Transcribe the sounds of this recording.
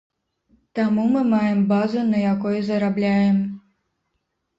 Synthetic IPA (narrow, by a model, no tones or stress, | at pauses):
t̪amumɨmajɛmbazunɐjakɔjzɐɾablʲajɛm